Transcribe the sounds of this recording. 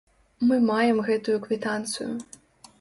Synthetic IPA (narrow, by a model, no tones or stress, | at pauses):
mɨmajɛmɣɛt̪ujukvʲit̪ant̪sɨ̰jṵ